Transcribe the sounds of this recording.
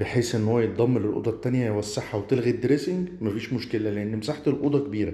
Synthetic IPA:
b̥eħeːsʔenːhowːæjet̪̚ˤd̪ˤɑmːelelʔo̰d̪ˤɑt̪ːænjæjwæsːeħːawet̪elɣid̪ːɾesɪŋɡmæfiːʃmoʃkelæleʔenːmesaħt̪elʔo̰d̪ˤɑkebiːɾæ

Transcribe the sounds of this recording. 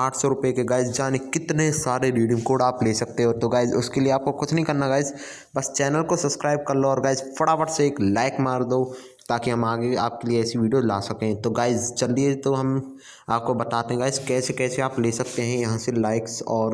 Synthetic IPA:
aːʈʰsɔɾʊpekeɡaːɪzd͡ʒaːnekɪt̪nesaːɾeɾiːɖɪ̃ŋkoːɖaːpleːsɐk̚t̪eɦɛɾt̪oɡaːɪzʊskelieaːp̚kokʊt͡ʃʰnɐɦĩkɐɾnaɡaːɪz | bɐst͡ʃɛːnəlkosɐpskɾaːɪb̚kɐɾloɔːɾɡaːɪzfɐɽaʋəʈseeːklaːɪkmaːɾd̪oː | t̪aːkiɦɐmaːɡeaːp̚kelieɛːsiʋiːɖijola̰ːsɐkẽt̪oɡaːɪzt͡ʃɐld̪iet̪oɦɐm | aːp̚kobɐt̪aːt̪eɦɛ̃ɡaːɪzkɛːsekɛːseaːpleːsɐk̚t̪eɦɛ̃jɐɦãselaːɪksɔːɾ

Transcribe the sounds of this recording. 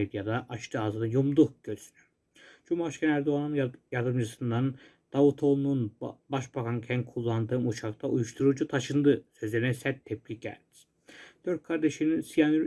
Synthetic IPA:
ed̪jad̪aʔːʃt̪ʰɯazɯnɯjumd̪uɟ̥øɾy̥sy̥ny̥ | d͡ʒumaʃkʲʰænæɾd̪oanunjaɾd̪ɯmd͡ʒɯsɯnd̪an | d̪̥avut̪ʰo̞lˠnunbaʃbakʰancʰæn̚kʰulˠːand̪ɯːmut͡ʃʰak̚t̪ʰaujuʃt̪ʰuɾud͡ʒut̪ʰaʃɯnd̪ɯsøzlʲe̞ɾinɛsæt̪ʰːɛplʲiɟæ̰ɾd̪i̥ | d̪̥øɾt̪̚kʰaɾd̪e̞ʃininsijanɾ

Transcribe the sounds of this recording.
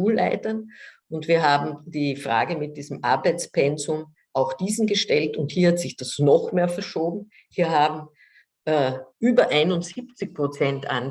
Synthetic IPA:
uːlla̰ɪtɐn | ʊntv̥iːɐɦaːbm̩d̥iːfʁa̰ːɡəmɪt̚d̥iːzəm̩ʔa̰ɐbæɪt͡spʰɛnzʊm | ʔaʊxd̥iːzn̩ɡəʃtɛltʊnthiːɐhatz̥ɪçd̥asnɔχmeːɐfɛɐʃoːbm̩ | hiːɐɦaːbm̩ | ʔɛʔyːbɐʔaɪnʊnz̥iːpt͡sɪçpʁ̥ot͡sɛntʔa̰n

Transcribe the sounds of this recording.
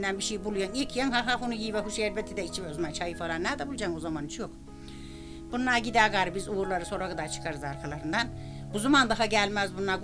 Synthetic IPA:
nːænbiʃejibulˠujanilkʰjaŋɦaɦafunujiːvɛɦuʃɛɾbɛt̪ʰid̪ɛit͡ʃʰivozmant͡ʃʰajɯfalˠaɾnæɾd̪ɛbulˠd͡ʒaŋozamanit͡ʃʰijok | b̥unːˠaɟid̪ɛɡaɾɯbizuuɾlˠaɾɯso̞ɾaɡɯd̪at͡ʃʰɯ̥kʰaɾɯzaɾkʰalˠaɾɯnd̪an | buzumand̪aɦaɟælʲmæzbunːaɡ

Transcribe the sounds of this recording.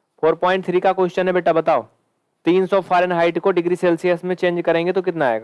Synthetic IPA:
fʰoːɾpɔːɪ̃ɳʈ̚t̪ʰɾikakoɪʃt͡ʃənẽbeːʈabɐt̪aːo̰ː | t̪iːnsɔfʰaːɾənɦaːɪʈkoɖɪɡɾiseːlsijəsmẽt͡ʃẽːnd͡ʒkɐɾẽːŋɡet̪okɪt̪naaːḛːɡaː

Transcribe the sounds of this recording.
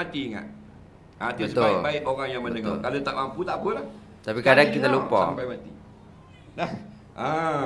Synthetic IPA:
at̪iŋa̰ʔ | at̪əəsət̪boɪ̰baɪʔboɣaŋjaŋmədəŋɔkalot̪aʔamput̪apəlah | t̪apikadakit̪alupɔampajmat̪i | lah | a

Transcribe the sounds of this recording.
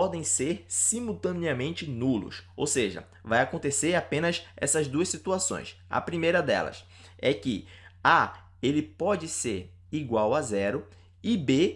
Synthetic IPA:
ɔd̪ẽj̃seɾsimuwt̪ɐ̃niɐmẽnt͡ʃɪnulʊ̰so̰wseʒɐ̰ | vajakõnt̪eseɾapẽnɐsɛ̰sɐzd̪uɐsit̪uasõ̰j̃sɐ̰pɾimejɾɐd̪ɛ̰lɐ̰s | ɛkɪ̰a | elɪpɔd͡ʒɪseɾ | iɡwawazɛɾʊ | ɪbe

